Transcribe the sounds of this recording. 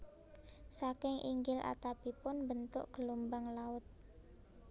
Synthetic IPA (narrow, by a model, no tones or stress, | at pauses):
sakɪŋʔḭŋɡɪlʔa̰t̪apipʊnbənt̪ʊ̰ʔɡ̥əlumbaŋlaʊt̪̚